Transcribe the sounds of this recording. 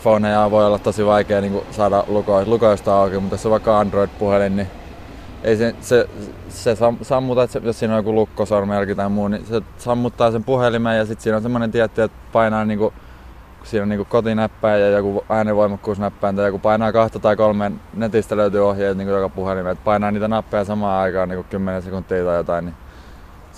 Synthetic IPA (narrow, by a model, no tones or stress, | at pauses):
foːnejɑʋoiolːɑt̪t̪osiʋɑikeːniːŋkusɑːdɑlukoilukoist̪ɑːoˑkimut̪joseʋɑikːɑɑndroid̪puhelinni | eisese | sesɑmsɑmːut̪ɑet̪sejossiːnojokulukːosormelkit̪ɑimuːnise | sɑmːut̪ːɑːsempuhelimæjɑsit̪siːnonsemːonent̪iæt̪ːiet̪pɑinɑːniːŋku | usiːnoniːŋkukot̪inæpːæːjjɑjɑkuɑineʋoimɑkːuːsnæpːæːnt̪ɑjɑkupɑinɑːkɑht̪ɑt̪ɑikolmennet̪ist̪æløyt̪yːohjeit̪niːŋkujokɑpuhelimeet̪̚pɑinɑːniːt̪ænɑpːejɑsɑmɑːɑikɑːniːŋkukkymːenesekunt̪ːiːt̪ɑijot̪ɑinni